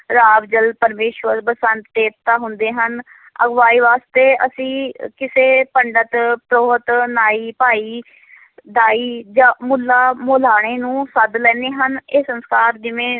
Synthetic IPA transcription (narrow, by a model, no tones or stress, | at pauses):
ɾaːʋd͡ʒəlpəɾmeːʃʋəɾbəsənt̪t̪eːp̚t̪aːɦʊnd̪eːɦən | əɡʋaːiːʋaːst̪eːʔə̰sĩːkɪseːpəɳɖət̪pɾoːɦət̪naːiːpaːiː | d̪aːiːd͡ʒãːmʊlːaːmoːlaːɽ̃eːnũːsəd̪lɛːneːɦəneːsənskaːɾd͡ʒɪmẽː